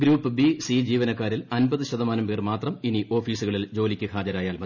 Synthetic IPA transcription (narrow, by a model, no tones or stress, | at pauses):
ɡɾuːpːɨbisid͡ʑiːʋɐnɐkːaːɾilɐnbɐðɨɕɐðɐmaːnɐmpeːrmaːt̪rɐminiʔo̞ːfiːsuɣɐɭild͡ʑo̞ːlikʲːɨkʰaːd͡ʑɐɾaːjaːlmɐ